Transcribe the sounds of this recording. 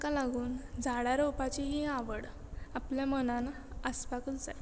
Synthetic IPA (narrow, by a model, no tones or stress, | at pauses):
kalaɡuːnd͡zʱaɽaɾowpat͡ɕiɦiãʋəɽ | apljamənãna | əspakəld͡zaj